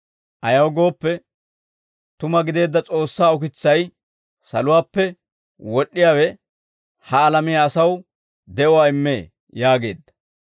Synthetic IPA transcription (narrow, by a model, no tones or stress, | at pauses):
ʔɐjɐwɡo̞ːpːɛ | t̪ʊmɐɡɪd̪e̞ːd̪ːɐt͡sʼo̞ːsːaːʊkɪt͡sːɐj | sɐ̰lʊwaːpːɛ | wɔɗːɪjaːwɛ | hɐːlɐmɪjaːsɐw | d̪ɛʔɔwaːɪmːe̞̰ː | jaːɡe̞̰ːd̪ːɐ̥